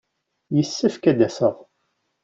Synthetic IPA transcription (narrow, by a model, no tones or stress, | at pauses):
jəsːəfkæd̪æsəðˤ